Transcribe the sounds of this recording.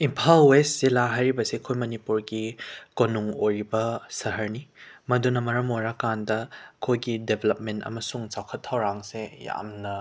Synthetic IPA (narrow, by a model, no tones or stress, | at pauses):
impʰalwesz̥ilaɦajɾibɐsekʰojmɐnipuɾɡikonuŋojɾibɐsɐɦɐɾnimɐdunɐmɐɾɐmojɾakandɐkʰojɡidebʱelɐp̚mentɐ̰mɐsuŋt͡ʃawkʰɐtʰːɐwɾaŋseja̰mnɐ